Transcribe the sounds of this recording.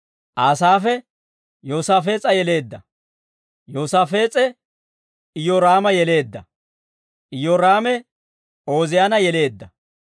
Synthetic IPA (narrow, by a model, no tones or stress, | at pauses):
ʔaːsaːfɛ | joːsaːfe̞ːt͡sʼɐjɛle̞ːd̪ːɐ | joːsaːfe̞ːt͡sʼɛ | ɪjɔɾaːmɐjɛle̞ːd̪ːɐ | ʔɪjɔɾaːmɛ | o̞ːzɪjaːnɐjɛle̞ːd̪ːɐ